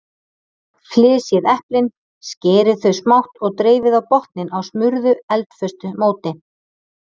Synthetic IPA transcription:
flɪːsjɛðɛhplɪn | scɛːɾɪðθœɥsmawht̪ɔɣt̪ɾeːjvɪðawpɔht̪nɪnawsmʏɾðʏɛlt̪fʏst̪ʏmoːwt̪ɪ

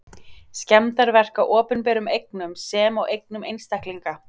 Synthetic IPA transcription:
scɛmt̪aɾvɛr̥kaʔɔːpʏnpɛːɾʏmejk̚nʏmsɛːmawʔejknʏmejnst̪ahkliŋka

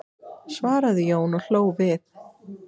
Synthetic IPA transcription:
svaːɾaðɪjoːwnɔɣl̥oːwvɪθ

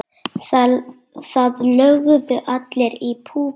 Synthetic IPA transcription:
θaðlœɣðʏʔat̪lɛɾipʰuː

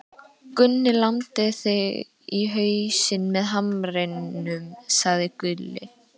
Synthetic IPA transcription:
kʏnːɪlawnt̪ɪθɪɣ | iɦœːɥsɪnmɛðɦamɾejnʏmsaɣðɪkʏlːɪ̰

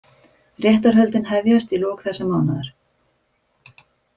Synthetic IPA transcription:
rjɛht̪aɾ̥ɦœlt̪ɪnhɛvjast̪ilɔːkθɛsːamaːwnaðaɾ̥

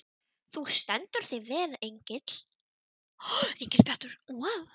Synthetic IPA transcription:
θust̪ɛnt̪ʏɾ̥θevɛːlejɲcɪt̪l̥ | ejɲcɪt̪lpʰɛht̪ʏɾ̥waw

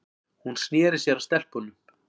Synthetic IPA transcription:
hunsnjɛːɾɪɾ̥sjɛɾast̪ɛl̥pʏnːʏm

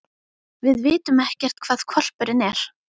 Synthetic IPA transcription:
vɪðvɪːt̪ʏmɛhcɛr̥t̪kʰvaːðkʰɔl̥pʏɾɪnɛɾ̥

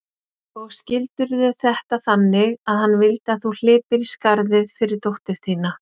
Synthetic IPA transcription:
ɔɣscɪlt̪ʏɾðʏθɛht̪aθanːɪɣaðhanːvɪlt̪aθul̥ɪːpɪɾiskaɾðɪðfɪɾɪɾ̥t̪owht̪ɪɾ̥θiːna

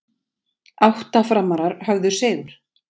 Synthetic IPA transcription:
awht̪afɾamːaɾaɾhœɣðʏɾ̥sɛːɣʏɾ̥

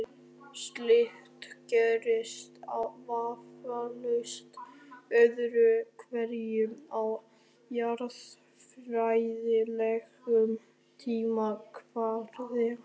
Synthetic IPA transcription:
st̪lɪht̪cœɾɪst̪awvaːfalʏst̪œðɾʏkʰvɛɾjʏmaw | jaɾð | fɾajðɪlɛɣʏm | t̪ʰiːmakʰvaɾðɪ

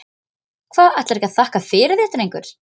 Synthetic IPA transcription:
kʰvaːðaht̪laɾɛhcaðθahkafɪːɾɪðɛht̪ɾejŋkʏɾ̥

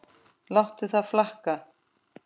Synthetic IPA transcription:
lawht̪ʏθaðflahka

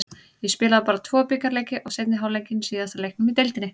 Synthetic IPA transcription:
jɛspɪːlaðapaːɾat̪ʰvɔːpikaɾleːjcːɪʔɔɣset̪nɪɦaːwlejɲcɪnsiːθɛsaɾlejhknʏmit̪ejlt̪ɪnːɪ

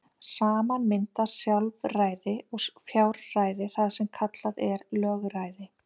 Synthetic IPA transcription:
saːmanmɪnt̪asjalvraːjðɪɔɣfjawɾaːjðɪθaðsɛmkʰat̪laðɛɾlœːɣɾaːjðɪ

